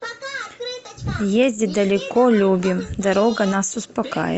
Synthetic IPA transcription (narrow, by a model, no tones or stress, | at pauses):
jezʲdʲid̪ɐlʲɛkɔlʲubʲimd̪ɐɾɔɡɐnasʊspɐka̰jɛ̰